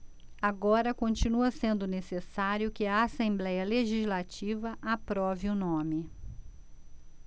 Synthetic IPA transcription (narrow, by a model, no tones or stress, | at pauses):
aɡɔɾɐkõnt͡ʃinuɐsẽnd̪ʊnesesaɾjʊkɪɐasẽmblɛjɐleʒizlat͡ʃivɐʔapɾɔviʊnõmɪ